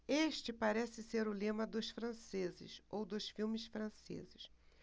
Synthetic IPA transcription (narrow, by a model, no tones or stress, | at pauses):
eʃt͡ʃɪpaɾɛsɪseɾʊlẽmɐd̪ʊsfɾɐ̃sezɪ̰sowd̪ʊsfiwmɪsfɾɐ̃sḛzɪʃ